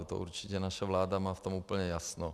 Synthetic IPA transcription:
ut̪o̰ʔṵɾt͡ʃicɛnaʃavlaːd̪amaːft̪omuːpl̩ɲɛjasno

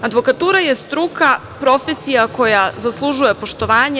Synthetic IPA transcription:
ad̪ʋo̞kat̪uːɾajest̪ɾuka | pɾo̞fesijako̞jazaslˠuʒuje̞po̞ʃt̪o̞ʋaːɲe

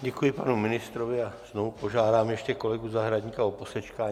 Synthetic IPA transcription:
ɟɛkujɪpa̰numɪnɪst̪ɾovɪaz̥novupo̞ʒaːdaːmjɛʃcɛko̞lɛɡuzaɦɾadɟɲikaoposɛt͡ʃkaː

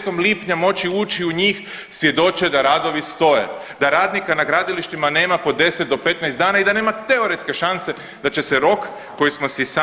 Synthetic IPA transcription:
ko̞mliːpɲamo̞t͡ʃiuːt͡ʃiuɲiːx | sʋje̞d̪o̞t͡ʃe̞d̪aɾad̪o̞ʋist̪o̞je̞̰ | d̪aɾaːd̪nikanaɡɾaːd̪iliʃt̪imane̞ːmapo̞d̪e̞set̪̚d̪o̞pe̞t̪najsd̪aːnaid̪ane̞ːmat̪e̞o̞ɾet̪ske̞ʃanse̞ | d̪at͡ʃe̞seɾo̞kː | o̞jismo̞sisa

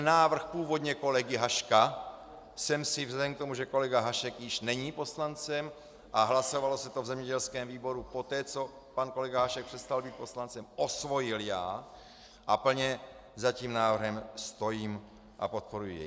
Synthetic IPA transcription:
naːvr̩xpuːvo̞d̪ɲɛko̞lɛɡɪɦaʃka | sɛmsɪvzadɛmk̚t̪o̞muʒɛko̞lɛɡaɦaʃɛkjɪʃnɛɲiːpo̞slant͡sɛm | ʔaɦlaso̞valo̞sɛt̪ovzɛmɲɛɟɛlskɛːmviːbo̞ɾupo̞t̪ɛːt͡so̞ | panko̞lɛɡaɦaʃɛk̚pr̥ɛst̪albiːt̪̚po̞slant͡sɛmʔo̞svo̞jɪljaː | ʔapl̩ɲɛ | zaciːmnaːvr̩ɦɛmst̪o̞jiːm | ʔa̰po̞t̪̚po̞ɾujḭjɛ̰

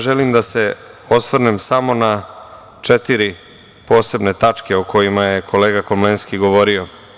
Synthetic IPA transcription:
ʒelimd̪ase̞ | osʋrnemsamo̞na | t͡ʂet̪iɾi | po̞ːse̞bne̞t̪at͡ʂke̞oko̞jimaje̞ko̞leːɡakomlenskiɡo̞ʋo̞ːɾio

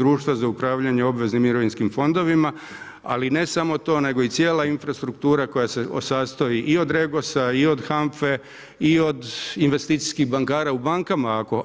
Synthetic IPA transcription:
ɾuːʃt̪ʋazaupɾaːʋʎaɲe̞o̞bʋe̞znimiɾo̞ʋinskimfo̞nd̪o̞ʋima | a̰line̞samo̞t̪o̞ːne̞ɡo̞it̪sje̞ːlainfɾast̪ɾuk̚t̪uːɾako̞jaseo̰sast̪ojiʔio̞d̪ɾe̞ɡo̞saio̞d̪xamfe̞ | io̞d̪inʋe̞st̪iːt̪si̥skiɣbaŋkaːɾaubaŋkamaako̞

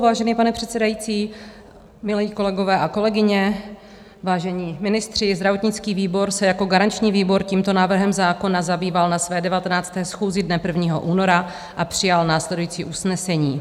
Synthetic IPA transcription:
vaːʒɛniːpanɛpr̥ɛt̪sɛdajit͡siː | mɪlɛiːko̞lɛɡo̞vɛːʔako̞lɛɡɪɲɛ | vaːʒɛɲiːmɪnɪst̪r̝̥ɪzd̪ɾavo̞t̪ɲɪt͡skiːviːbo̞ɾsɛjako̞ɡaɾant͡ʃɲiːviːbo̞ɾciːmt̪o̞naːvr̩ɦɛmzaːko̞nazabiːvalnasvɛːdɛvat̪ɛnaːt͡st̪ɛːsxuːzɪdnɛpr̩vɲiːɦo̞̰ʔuːno̞ɾa | ʔapr̝̥ɪjalnaːslɛdujiːt͡sḭːʔusnɛsɛɲiː

